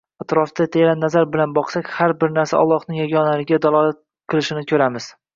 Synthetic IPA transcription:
at̪ɾɒfd̪at̪ʰeɾanːazaɾbɪlanbɒqsakʲhaɾbɪɾnaɾsa̰ʔɒ̰lˠːɒhnɪŋjɒɡʲɒnaɾɪɡʲad̪alˠɒlat̪̚ | qʰɨlˠɪʃɪnɪkʲʰɵɾamɪz̥

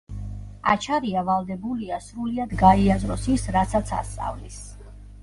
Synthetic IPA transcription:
a̰t͡ʃʰaɾiavalˠd̪ɛbuliasɾuliad̪ɡaiazɾɔsisɾat̪sat̪sʰa̰st̪sʼa̰vlis

